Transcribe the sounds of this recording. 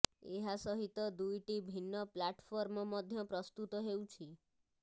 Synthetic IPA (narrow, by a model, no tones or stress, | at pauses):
eɦasɔɦit̪ɔd̪ujʈibʱinːɔplaʈpʰɔɾmɔmɔd̪ʱjɔpɾɔst̪ut̪ɔɦewt͡ʃʰi